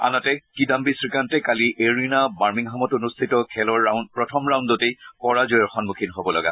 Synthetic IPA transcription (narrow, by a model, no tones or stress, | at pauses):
a̰natɛkidambisɹikantɛkaliʔeɹinabaɹmiŋɦamɔtonustʰitɔkʰɛlɔɹːanpɹɔtʰɔmɹaw̃nddotejkɔɹazɔjɔɹxɔnmukʰinɦobɔlɔɡa̰